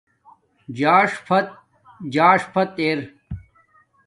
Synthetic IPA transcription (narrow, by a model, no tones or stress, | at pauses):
d͡ʑaːʂpʰɐt̪̚ | d͡ʑaːʂpʰɐt̪eːɾ